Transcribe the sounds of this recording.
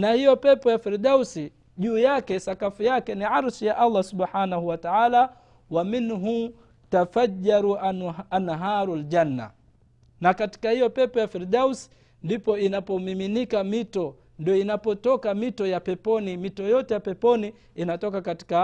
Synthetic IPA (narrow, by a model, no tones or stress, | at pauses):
nahijɔpɛpɔjafiɾɗausi | ʄuːjakɛsakafujakɛniʕaɾsijaʔalˤːasuɓħaːnahuwataʕaːla | waminɦu | tafad͡ʒːaɾuaanɦaːɾuld͡ʒanːa̰ | nakati̥kahijɔpɛpɔjafiɾdausi̥ | ndipɔinapɔmiminikamitɔ | ndiɔinapɔtɔkamitɔjapɛpɔnimitɔjɔtɛjapɛpɔni | inatɔkakati̥ka